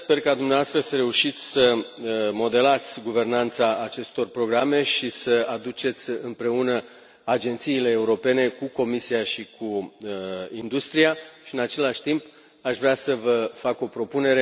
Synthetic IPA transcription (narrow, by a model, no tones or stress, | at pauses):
spe̞rkad̪umneavast̪ɾəsəɾe̞uʃit̪sʲsəmo̞d̪e̞lat̪sʲɡuve̞rnant̪saʔat͡ʃe̞st̪o̞rpɾo̞ɡɾame̞ʃisəad̪ut͡ʃe̞t̪sʲɨmpɾe̞unə | ad͡ʒe̞nt̪siːle̞ːuɾo̞pe̞ne̞kuko̞misiaʃikʰu | ind̪ust̪ɾijaʃiɨnat͡ʃe̞laʃt̪imp | aʃvɾeasəvəfako̞pɾo̞pune̞ɾe̞